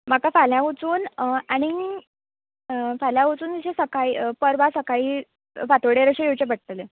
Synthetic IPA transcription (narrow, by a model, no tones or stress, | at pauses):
m̤akafaljaʋut͡suːnaɽ̃i | faljaʋut͡suːnt̪iɕʰesəkaiːpəɾbasəkaiː | fat̪əɽeɾəɕejewt͡ɕebəʈ̚t̪əle